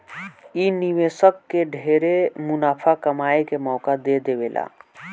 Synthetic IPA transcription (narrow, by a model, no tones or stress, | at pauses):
iniʋeːsəkːeɖʱeːɾemʊnaːpʰakəmaːekemɔːkad̪ed̪eʋeːlʔa̰ː